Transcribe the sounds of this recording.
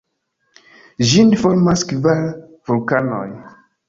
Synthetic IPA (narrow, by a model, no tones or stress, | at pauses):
ʒinfoɾmaskvaɾ | vulkano̰j